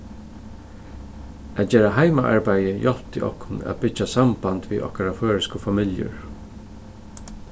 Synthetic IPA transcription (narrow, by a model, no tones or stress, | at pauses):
æːt̪̚d͡ʒeːɾaɦaɪmaʔa̰ɹbajəjɔlt̪ɪ̰ʔɔ̰hkʰʊnæ̰t̪bɪt͡ʃasambant̪ʋḭːʔɔ̰hkaɾaføːɹɪskəfamɪljə̰ɹ